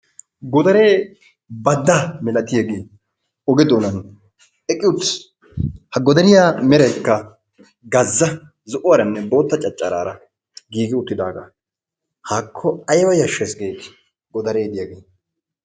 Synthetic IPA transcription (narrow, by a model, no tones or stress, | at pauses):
ɡɔd̪ɐɾe̞ː | bɐd̪ːamɛlɐt̪ɪjɐɡeː | ɔɡɛd̪oːnɐn | ɛkʼːɪʊt̪ːs | hɐɡɔd̪ɐɾɪjaːmɛɾɐjkːɐ | ɡɐzːɐ | zʊʔʊwɐɾɐnːɛbo̞ːt̪ːɐt͡ʃʼɐt͡ʃʼːɐɾa̰ːɾɐ | ɡiːɡɪʊt̪ːɪd̪aːɡa̰ | haːkʰːɔɐjwɐjɐʃːɛsɡeː | ɡɔd̪ɐɾeːd̪ɪjɐɡeː